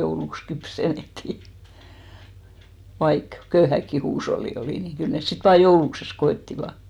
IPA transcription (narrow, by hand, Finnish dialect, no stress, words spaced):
jouluks kypsenˑetːiˑ ʋɑik køyhækːi huːsholːi oliˑ ni kyl nes sit ʋɑː joulukses koetːiʋɑ